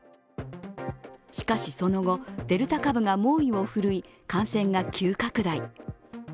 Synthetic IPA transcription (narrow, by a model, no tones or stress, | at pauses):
ɕi̥kaɕiso̞no̞ɡo̞d̪̥e̞ɾɯ̟t̪akabɯ̟ŋamo̞ːiβo̞ɸɯ̟ɾɯ̟ikãɰ̃sẽ̞ŋɡakʲʰɨːkakɯ̟d̪ai